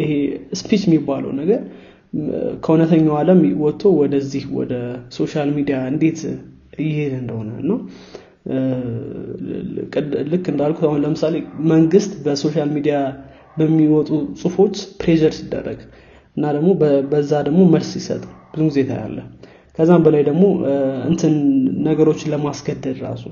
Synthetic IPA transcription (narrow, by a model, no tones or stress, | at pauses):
ʔɨheɨspʰit͡ʃɪmːibːalə̰wnəɡəɾ | kʰəunət̪ʰəɲːawaləmwɔt̪ʰːo̞wɔd̪əzːihwɔ̰d̪əso̞ʃalmid̪ijaɨnd̪e̞t̪ | jɪhenɨnd̪əho̞nəɨnːaw | kʼlɨkːɨnd̪alkʰut̪ahunləmɨsale̞məŋɡɨst̪bəso̞ʃalmid̪ija | bəmːiwɔt̪ʼusʼɨfo̞t͡ʃːpɾed͡ʒəɾsid̪ːə̰rːə̰ɡ̥ | ɨnːad̪əɡmo̞bbəzːad̪əɡmo̞məlsjɪsə̰t̪ʼb̥ɨzumɡizet̪ʰa̰ja̰lːə̰h | kʰəzːambəlajd̪əɡmo̞ɨ̰nt̪ʰɨnːəɡəɾo̞t͡ʃːləmasɡəd̪ːəd̪ɾa̰su